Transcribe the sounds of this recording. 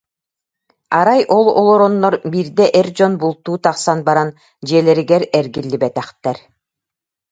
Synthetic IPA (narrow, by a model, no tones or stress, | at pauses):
aɾajʔɔlˠɔ̰lˠɔɾɔnːɔɾbiːɾd̪ɛʔɛɾd͡ʑɔnbulˠt̪uːt̪aqsanbaɾan | d͡ʑiɛlɛɾiɡɛɾɛɾɡilːibɛt̪ɛχt̪ɛɾ